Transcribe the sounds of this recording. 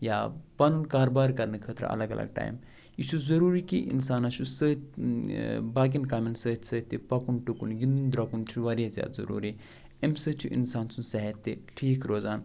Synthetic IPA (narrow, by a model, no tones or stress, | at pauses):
jaːpɐnunkaːɾobaːɾkɐɾnɨkʰəːt̪ɾ̰ɐ̰lɐɡɐ̰lʔɐ̰ɡ̚ʈa̰ːjm | it͡ʃʰuzɐɾuːɾikiʔḭnsaːnat͡ʃusəːt | baːɡinkaminsəːt̪ʲsəːt̪ːipɐkunʈukunɡind̪und̪ɾɐkunt͡ʃʰuʋɐɾijazʲja̰ːd̪zɐ̰ɾṵːɾi | emsəːt͡ʃʰuʔḭnsaːnsunsɐɦet̪ːeʈʰiːkʰɾoːzaːn